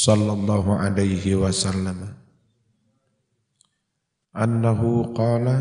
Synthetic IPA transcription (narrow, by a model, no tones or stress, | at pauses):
sɑlːɑlˤːɑːɦuʕa̰lajhiwasalːam | ʔanːaɦuqɑːla